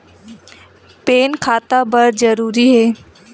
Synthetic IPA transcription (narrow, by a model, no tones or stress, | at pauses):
peːnkʰaːt̪abɐɾd͡ʒɐɾuːɾiɦɛː